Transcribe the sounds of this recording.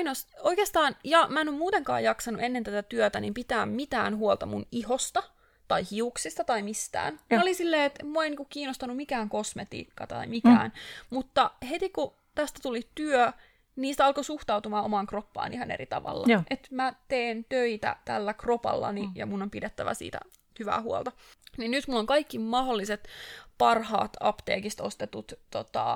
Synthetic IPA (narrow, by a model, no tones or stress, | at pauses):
nosoikeːst̪ɑːnjɑmæenommuːt̪eŋkɑ̰ːjɑksɑnuʔenːent̪æt̪æt̪yøt̪ænimpit̪æːmmit̪æ̰ːnɦuolt̪ɑmunihost̪ɑ | t̪ɑihiuksist̪ɑt̪ɑimist̪æ̰ːnolisilːeːet̪muoeiniːŋkukkiːnːost̪ɑnumikæːŋkosmet̪ḭːkːɑ̰t̪ɑ̰imikæ̰ːnmut̪ːɑhet̪iku | t̪æst̪æt̪ulit̪yø | niːst̪æɑlkosuht̪ɑut̪umɑːomɑŋkropːɑ̰ːnʔiɦɑnḛɾit̪ɑ̰ʋɑ̰lːɑʔet̪mæt̪eːnt̪øit̪æ̰t̪ælːækropɑ̰lːɑ̰nijɑ̰munːompidet̪ːæʋæsḭːt̪æ̰ | hyʋæ̰ːhuo̰lt̪ɑninnyt̪mulːoŋkɑikːimɑholːiset̪pɑrhɑ̰ːt̪ɑ̰pt̪ḛːkist̪ost̪et̪ut̪t̪ot̪ɑ̰